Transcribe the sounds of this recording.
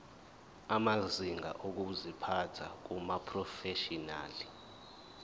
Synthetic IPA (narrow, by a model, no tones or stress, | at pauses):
amaziŋa̰ʔok̬uzipʰatʰak̬umapʰrɔfɛʃina̰ːli